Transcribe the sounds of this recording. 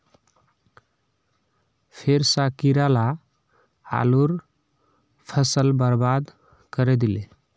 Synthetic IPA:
pʰeɾsakiɾala | a̰luɾ | pʰəsəlbəɾbad̪ | kəɾɛd̪ile

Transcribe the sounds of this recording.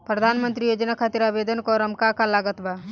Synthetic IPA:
pɾəd̪ʱaːnmə̃nt̪ɾijoːd͡ʒənakʰat̪iɾaːbeːd̪ʱənkoɾəmkakalaːɡət̪ba

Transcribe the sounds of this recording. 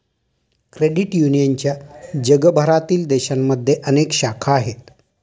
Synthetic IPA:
kɾeɽiʈjunijənt͡ɕjad͡ʑəɡəbʱəɾat̪iːld̪eɕamːəd̪ʱːjeʔənekɕakʰaːɦet̪̚

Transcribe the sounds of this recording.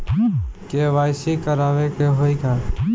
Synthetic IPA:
keʋaːjsikəɾaːʋekeɦoːikaː

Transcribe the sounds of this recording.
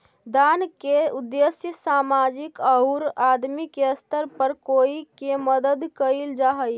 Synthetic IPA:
d̪ankeud̪ːesjəsamad͡ʒikəuɾad̪mikeəst̪əɾpəɾkoikeməd̪əd̪kəild͡ʒaɦəj

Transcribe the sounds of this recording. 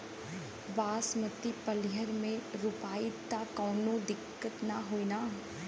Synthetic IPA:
baːsmət̪ipəlɪɦəɾmẽɾʊpaːit̪akɔːnod̪ɪkːət̪naɦoːina

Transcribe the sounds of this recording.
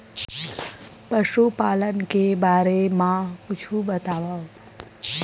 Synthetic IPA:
pəʃupaːlənkebaːɾemãkʊt͡ʃʰubət̪aʋa

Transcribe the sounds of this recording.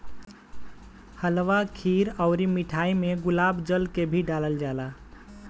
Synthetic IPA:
həlʋakʰiɾəʊɾimiʈʰaimeɡulabd͡ʒəlkebʱiɖaləld͡ʒala

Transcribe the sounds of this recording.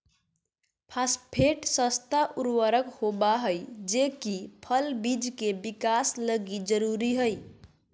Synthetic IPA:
pʰaspʰeʈsə̃st̪ʰaʔuɾwəɾəkhobaɦəjd͡ʒekipʰəlbid͡ʒkebikasləɡid͡ʒəɾuɾiɦəj

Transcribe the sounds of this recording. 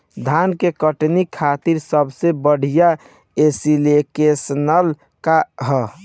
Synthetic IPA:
d̪ʱankekəʈnikʰːat̪iɾsəbʱsebəɽ̤ija | esilekesnəl | kaɦə

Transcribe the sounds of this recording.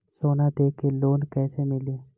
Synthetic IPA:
soːnad̪eːkːeloːnkɛːsemɪleː

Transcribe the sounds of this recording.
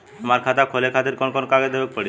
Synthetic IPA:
amaɾkʰat̪akʰolekʰat̪iɾkɔnkɔnkaɡed̪ebak̚pəɽi

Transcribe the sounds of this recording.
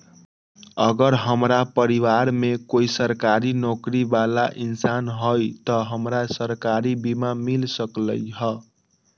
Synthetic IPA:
ʌɡəɾɦəmɾapəɾiwaɾmekoisəɾkaɾinokɾibalaʔinsanɦojt̪ʌɦəmɾasəɾkaɾibimamilsəkləjɦʌ

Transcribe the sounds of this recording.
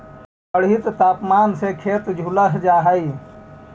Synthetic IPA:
əɽɦɪt̪ːaːpmaːnsekʰeːt̪d͡ʒʱʊləɦd͡ʒaːɦaiː

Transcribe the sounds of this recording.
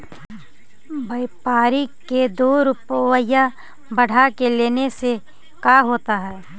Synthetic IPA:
bəɪpaːɾiked̪oːɾʊpwəja | bɐɽ̤akeleːnese | kaːɦoːt̪aɦɛː

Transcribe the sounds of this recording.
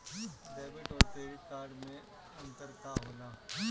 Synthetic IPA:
ɖeːʋɪʈɔːɾpeɾikaːɾɖmẽ | ɐ̃nt̪əɾt̪ʰaɦoːna

